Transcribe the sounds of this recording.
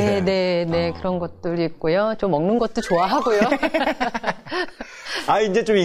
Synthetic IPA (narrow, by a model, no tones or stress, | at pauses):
ene̞ne̞kɯɾʌnɡʌt̚t͈ɯɾik̚k͈ojot͡ɕomːʌŋnɯnɡʌt̚t͈ot͡ɕoaɦaɡojo | aind͡ʑe̞t͡ɕomi